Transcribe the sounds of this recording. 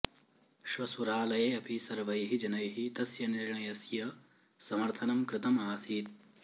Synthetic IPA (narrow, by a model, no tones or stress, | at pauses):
ʃʋɐsuɾaːlɐjeːɐpʰisɐɾʋɐjɦid͡ʒɐnɐjɦit̪ɐsjɐniɾɳɐjɐsjɐ | sɐmɐɾt̪ʰɐnɐmkɾɪt̪ɐmaːsiːt̪̚